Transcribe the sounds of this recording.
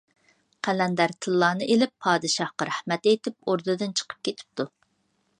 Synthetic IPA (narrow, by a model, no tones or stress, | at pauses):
qʰælɛnd̪æɾt̪ʰɨlˠːɑːnɨʔelɪpʰːɑːd̪ɨʃɑhqɑɾæhmɛt̪ejt̪ɪp̚oɾd̪ɨd̪ɨnt͡ʃʰə̥qʰə̥p̚kʲet̪ʰɪ̥p̚t̪ʰu